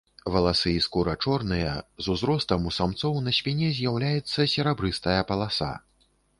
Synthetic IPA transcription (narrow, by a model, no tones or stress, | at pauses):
vɐlˠasɨiskuɾɐt͡ʂɔrnɨjɐzuzɾɔst̪ɐmusamt̪sɔwnɐsʲpʲinʲɛzʲjawlʲajɛt̪sːɐsʲɛɾabɾɨst̪ɐjɐpɐlˠasa̰